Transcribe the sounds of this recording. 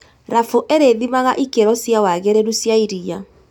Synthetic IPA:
ɾafoʔeɾeðimaɣaʔikeɾɔsjawaɣeɾeɾusjaiɾia

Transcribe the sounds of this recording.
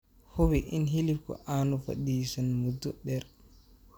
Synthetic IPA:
howiʔinɦilifkɔ̰ʔanufa̰ɗiːsanmuduɗɛɾ

